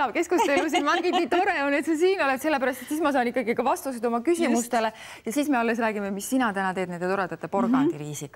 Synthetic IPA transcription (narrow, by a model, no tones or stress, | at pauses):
ɑb̥ke̞skust̪eus̬inmɑŋɡid̪niːt̪o̞ɾeone̞t̪sɑs̬iːno̞let̪se̞lːe̞pæɾɑst̪e̞t̪siːsmɑsɑːnikːˑɑɡikɑvɑst̪used̪o̞mɑkysimust̪e̞le̞ | jɑsiːsme̞ɑlːe̞s̬ræːɡimemisːinɑt̪ænɑt̪ed̪nend̪e̞t̪oɾɑt̪ɑt̪ːˑepo̞rɡ̥ɑniɾiːsikɑ